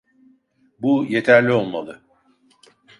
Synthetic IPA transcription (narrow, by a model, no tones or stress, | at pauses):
bujet̪ʰæɾlʲio̞lˠmalˠɯ